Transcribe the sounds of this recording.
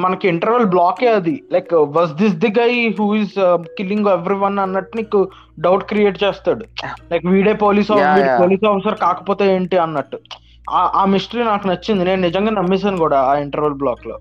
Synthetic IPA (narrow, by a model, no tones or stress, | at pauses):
mɐnɐkuiɳʈɐɾʋɐlblaːkeːɐd̪ilɐjkʋɐsd̪is̬d̪iɡɐjɦuːizkiliŋɡeʋɾiʋɐnɐnːɐʈniːku | ɖɐwʈkɾijeːʈt͡ʃeːst̪aːɽulɐjkʋiːɽeːpoːliːsaːʋiːɽoːliːsaːfʰisɐɾkaːkɐ̥poːt̪eːeːɳʈiɐnːɐʈːu | aʔaːmisʈɐɾiːnaːkunɐt͡ʃːind̪ine̞ːnunɪd͡ʒɐŋɡaːnɐmːis̬aːnukuːɽaːaːiɳʈɐɾʋɐlblaːklo̰ː